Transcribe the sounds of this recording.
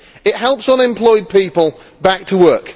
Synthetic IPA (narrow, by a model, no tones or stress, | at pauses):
ɪʔɦhɛlˠpsə̃nɪ̃mpʰl̥ɔɪd̚pʰiˑpəlˠ | bak̚tʰəwɜˑk